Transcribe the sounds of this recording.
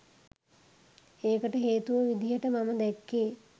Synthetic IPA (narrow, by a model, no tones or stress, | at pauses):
eːkəʈəɦeːt̪uʋəʋid̪ijəʈəmaməd̪ɛkːeː